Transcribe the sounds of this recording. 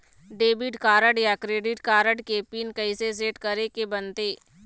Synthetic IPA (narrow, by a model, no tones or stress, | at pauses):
ɖeːbɪɖkaːɾəɖjakɾeːɖɪʈkaːɾəɖkeːpiːnkɐises̬eːʈkɐɾekebənt̪eː